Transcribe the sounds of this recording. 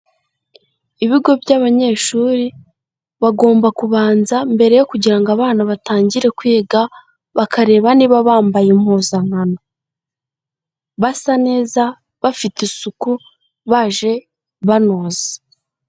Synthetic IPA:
iβiɡo̞bjaβaɲe̞ːʃuːɾi | βaɡo̞ːmbakuβaːnzambe̞ɾe̞jo̞kuɟiɾaŋɡaβaːnaβataːɲɟiɾe̞kwiːɡa | βakaɾe̞ːβaniːβaβaːmbajemhoːzaŋ̥ano | βasane̞ːza | βafitesuku | βaʒe̞ | βanoːze

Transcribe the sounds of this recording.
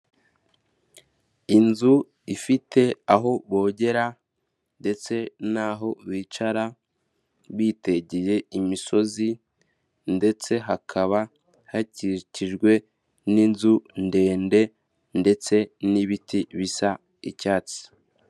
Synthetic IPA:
inzu | ifite̞aɦo̞βo̞ːɟe̞ɾa | nde̞t͡se̞naːɦo̞βiːt͡ʃaɾa | βiːte̞ɟije̞imiso̞zi | nde̞t͡se̞ɦakʰaβa | haciciʒɡwe̞ | ninzunde̞ːnde̞ | nde̞t͡se̞niβitiβisa | icaːt͡si̥

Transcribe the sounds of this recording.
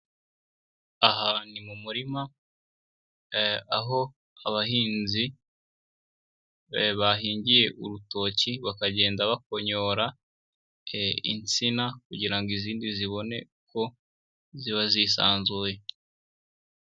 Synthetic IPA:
aɦanimumuɾima | aɦo̞ | aβahiːnzi | βaɦiːɲɟije̞ʔuɾuto̞ciβakaɟe̞ːndaβakoɲo̞ɾa | ḭnt͡sinakuɟiɾaŋɡiziːndiziβo̞ne̞̰ | kʰo̞ | ziβazisa̰ːnzuːje

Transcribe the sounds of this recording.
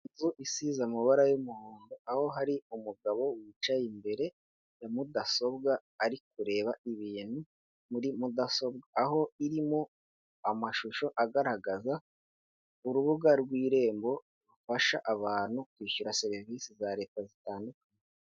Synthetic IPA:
zuʔisizamuβaɾajumuhoːndoaho̞ɦaɾiumuɡaβo̞wit͡ʃajimbe̞ɾe̞ | jamudaso̞bɡaː | ɾikuɾe̞ːβaiβiːn̥hu | muɾimudaso̞bɡaːho̞iɾimo | amaʃuʃo̞ʔaɡaɾaɡaza | uɾuβuɡaɾɡwiːɾe̞ːmbo̞ | ɾufaʃaʔaβaːn̥hukwiːçuɾase̞ɾiviːsizaɾe̞ːtazitaːndukaɲe

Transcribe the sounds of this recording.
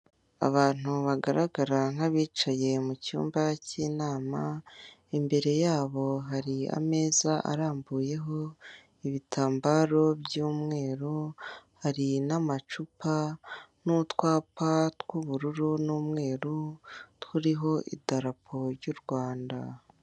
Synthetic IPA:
a̰βaːn̥uβaɡaɾaɡaɾan̥haβiːt͡ʃaje̞mucṵːmbaciːnaːma | embe̞ɾe̞jaːβo̞ɦaɾia̰me̞ːzaʔa̰ɾaːmbuːje̞ɦo̞ | iβitʰaːmbaɾo̞bjuːmŋe̞ːɾuhaɾinamat͡ʃupanutwaːpatwuβuɾuɾunuːmŋe̞ːɾutwuɾiɦo̞ʔḭdaɾapʰo̞ɾɟuɾɡwaːnda

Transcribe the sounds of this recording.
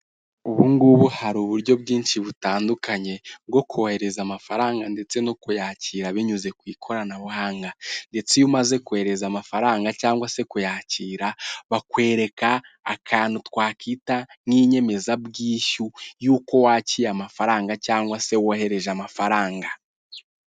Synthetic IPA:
uβuŋɡuβuhaɾuːβuɾɟo̞bɡiːnʃiβutaːndukaɲe̞bɡo̞kʰohe̞ɾe̞zamafaɾaːŋɡande̞t͡se̞nokujaːciːɾaβiɲuze̞kwiːkʰo̞ɾanaβuhaːŋɡande̞t͡sejumaze̞kuhe̞ɾe̞zamafaɾaːŋɡacaːŋɡwase̞kujaːciːɾaβakwe̞ːɾe̞kaː | kʰaːn̥utwaːkitaŋiːɲe̞me̞zabɡiːʃujuːko̞waːciːjamafaɾaːŋɡacaːŋɡwase̞wohe̞ɾe̞ʒamafaɾaːŋɡa

